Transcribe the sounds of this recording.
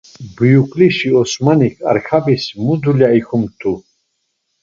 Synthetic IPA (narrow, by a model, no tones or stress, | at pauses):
bujukʼliʃiɔsmanikʰa̰ɾkʰabismud̪uljaikʰumt̪ʰu